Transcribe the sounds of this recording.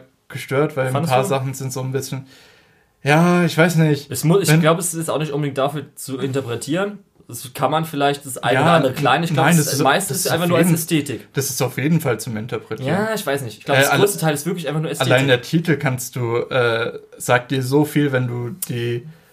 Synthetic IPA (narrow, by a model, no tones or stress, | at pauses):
ɡ̥əʃtøːɐtv̥aɪlpʰaːɐzaχn̩z̥ɪntz̥oːnbɪsçən | jaːɪçv̥aɪsnɪçtɛsmʊsɪçɛɡnlaʊbəɛsɪstaʊxnɪçtʔʊnbədɪŋtd̥afyːɐt͡suɪntɐpʁ̥ɛtʰiːʁən | d̥askʰanmanfɪlaɪçtd̥asʔa̰ɡanːandəʁəkl̥aɪnɪçɡlaʊaɪnasmaɪstɪsʔaɪnfaxnuɐasmɛstʰeːtɪkd̥asɪ̥staʊfjeːdn̩falt͡sʊmɪntɐpʁ̥ɛtjiaːɪçv̥aɪsnɪçtʔɪ̥ç̥ɡ̥laʊbsʁoːstətʰaɪlɪstvɪɐklɪçaɪfaχnuːɐɛstalːlaɪndeːɐtʰiːtl̩kʰanst̚d̥uːʔɛːz̥aːk̚t̚d̥iːɐzoːfiːlvɛnduːd̥iː